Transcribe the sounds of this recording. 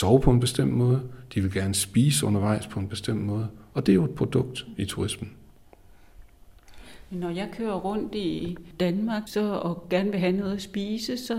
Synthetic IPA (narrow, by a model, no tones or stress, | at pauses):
sɒʊpʰɒ̽e̝nb̥e̝sd̥em̰d̥mɔ̽ːð̞̩ˠəd̥iʋe̝lɡ̥æɐnəsb̥iːsəɔ̽nɐʋɑ̈ɪ̰spʰɒ̽e̝nb̥e̝sd̥em̰d̥mɔ̽ːð̞ˠəɒ̽d̥e̝æjoe̝d̥̚pʰʁo̝d̥ɔ̽ɡ̥̚d̥it͡sʰuʁism̥n̩ | menːɒjɑ̈ɪkʰøːɐʁɔ̽n̰d̥id̥ænmɑ̈ːɡ̥sɒ̽ɒɡ̥æɐnəʋe̝ɦænɔ̽ːð̞̩ˠɐsb̥iːsəsɒ̽